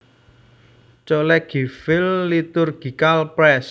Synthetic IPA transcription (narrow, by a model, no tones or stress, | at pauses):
t͡ʃɔlɛɡ̥i̤fɪlːit̪ʊrɡ̥i̤kalpɾɛs